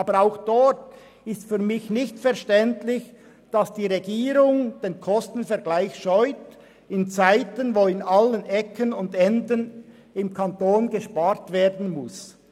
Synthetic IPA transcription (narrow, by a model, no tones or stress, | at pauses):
ʔɑːbəɾaʊxd̥ɔɾt | ɪstfyːɐmɪçnɪçtfɛɐʃtɛntlɪç | d̥ɑsd̥iːʁeɡiːɾʊŋd̥eːnkʰɔstn̩fɛɐɡlaɪçʃɔʏt | ɪnt͡saɪtənvoːɪnɑlənʔɛkʰənʊndɛndən | ɪmkʰantoːnɡeʃpaːɾtveːɾdn̩mʊs